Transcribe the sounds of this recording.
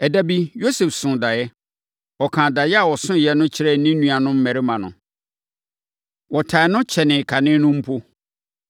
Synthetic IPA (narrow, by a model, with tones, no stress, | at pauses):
ɛ˨da˦bi˦jo˦sɛ˨fsʊ̃˨da˨jɛ˦ | ɔ˨kʰã˨da˨jɛ˦a˨wɔ˨sʊ̃˦jɛ˦nʊ̃˦t͡ɕʰɪ˦ɾɛ˦˨˦nĩ˦nũ˨a˨nʊ̃˦m̩˦mɛ̃˨ɾɪ˦mã˨nʊ̰̃˨ | wɔ˨tʰa˨nʊ̃˦t͡ɕʰɛ˨nɪ̃˨kʰa˨nɪ̃˦nʊ̃˦m̩˦pʰo˦